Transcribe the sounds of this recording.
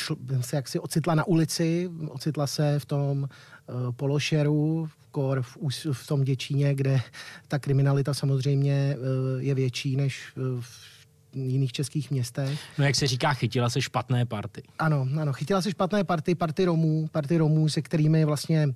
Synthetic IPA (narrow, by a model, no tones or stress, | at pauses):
ʃsɛjaksɪʔot͡sɪt̪lanaʔulɪt͡sɪʔo̰t͡sɪt̪lasɛft̪o̞m | po̞loʃɛɾu | koɾfuːsft̪o̞mɟɛt͡ʃiɲɛɡdɛt̪akɾɪmɪnalɪt̪asamozr̝ɛjmɲɛjɛvjɛt͡ʃiːnɛʃf | jɪniːxt͡ʃɛskiːxmɲɛst̪ɛxnojaksɛriːkaːxɪcɪlasɛʃpat̪nɛːpaɾt̪ɪʔano̞ʔano̞xɪcɪlas̬ɛʃpat̪nɛːpaɾt̪ɪpaɾt̪ɪɾo̞muːpaɾt̪ɪɾo̞muːsɛkt̪ɛɾiːmɪvlast̪ɲɛ